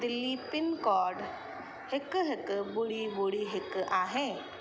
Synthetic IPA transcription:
d̪ɪlːipɪnkɔːɾɖ | hɪkɦɪkbʊɽibʊɽiɦɪkaːɦɛ̃ː

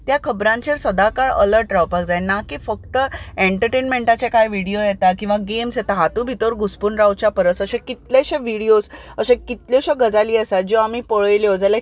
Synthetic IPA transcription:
t̪jakʰəbɾãɲt͡ɕeɾsəd̪akaɭə̰ləɾʈɾawpakd͡zajnakiːfəkt̪əeɳʈəɾʈenmẽɳʈat͡ɕekajʋiɽijojɛt̪akĩw̃ʋaɡemsjɛt̪aɦat̪ubʱit̪oɾɡuspunɾawt͡ɕapəɾəsəɕẽkit̪leɕẽʋiɽijosəɕẽkit̪ljɔɕeɡəd͡zaliːəsad͡ʑoamiːpəɭəjljod͡zala

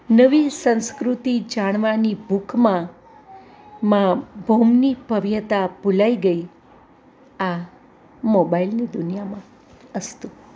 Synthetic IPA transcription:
nəʋisə̃w̃skɾut̪id͡ʒaɽ̃ʋanibukmã | mãbʱomnibʱəʋjət̪abulaiɡəi | a | mobailnid̪unijamã | əst̪u

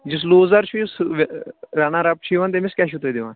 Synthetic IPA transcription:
d͡ʒɪs̬loːzaɾt͡ʃʰiːʊsʋɾaːnãːɾap̚t͡ʃʰiːʋãnt̪eːmɪskɛːʃut̪eːd̪eʋãːn

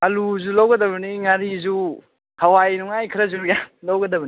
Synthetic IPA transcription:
ɐluzulawɡɐdɐβɐniŋaɾizu | hɐwajnuŋajkʰiɾɐzujalawɡɐdɐbɐni

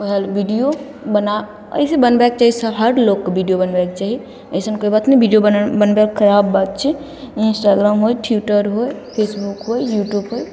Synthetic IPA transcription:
ɦɛlʋiɖijo | bəna | ə̰jsebənbaːk̚t͡ʃaːɦisəɦəɾlokkobiɖijobənbak̚t͡ʃaːɦi | əjsənkoibat̪nibiɖijobəbənbekʰəɾaːbːat̪̚t͡ʃʰɛ | ɪnsʈaɡɾaːmɦojʈʰuʈəɾɦojpʰeːsbukɦojjuːʈjubɦoj

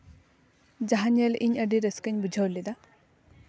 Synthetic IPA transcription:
d͡ʒaɦanjəlʔiɲəɖiɾeskəɲʲbud͡ʒʱawlːid̪a

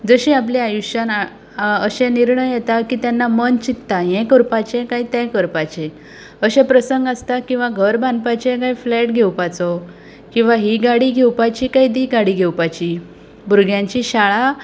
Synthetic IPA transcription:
d͡zəɕĩap̬leajuɕana | əɕɛ̃niɾɳəjjet̪akiːt̪janːamənt͡ɕit̪ːajɛ̃kəɾpat͡ɕẽkaɦit̪ɛ̃kəɾpat͡ɕẽ | əɕɛ̃pɾəsəŋɡast̪akĩw̃ʋaɡʱəɾbãnd̪pat͡ɕẽkaiflɛʈɡʱewpat͡sɔ | kĩw̃ʋaɦiɡaɽiːɡʱewpat͡ɕikaiːd̪iɡaɽiːɡʱewpat͡ɕi | bʱuɾɡʱjãɲt͡ɕiɕaɭa

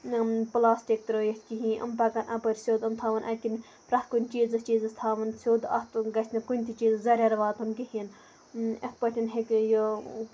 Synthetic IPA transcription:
plaːsʈʲik̚t̪ɾoːjit̪ʰʲkiɦĩʔɐ̰mpɐkɐnʔɐpɐɾʲsʲoːd̪ɐmt̪ʰaːʋɐnʔɐkin | pɾɐt̪̚kunʲt͡ʃiːzɐst͡ʃiːzɨst̪ʰaːʋɐnsʲoːd̪ɐht̪ɡɐsʲʰnɐkunʲt̪ʰit͡ʃiːzɨzɐɾʲɐɾɐʋaːt̪ʰunkiɦin | ɐt̪̚pɐʈ̪ʰʲinɦekjo

